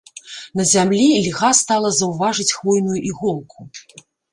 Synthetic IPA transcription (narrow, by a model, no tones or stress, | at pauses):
n̪ɐzʲamlʲilʲɣast̪alˠɐzɐwvaʐɨt͡sʲxvɔjnujuʔiɣɔlˠkʰu